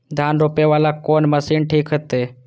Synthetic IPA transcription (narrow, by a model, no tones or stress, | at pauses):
d̪ʱjaːnɾoːpeʋaːlaːkoːnməsiːnʈʰiːkɦət̪eː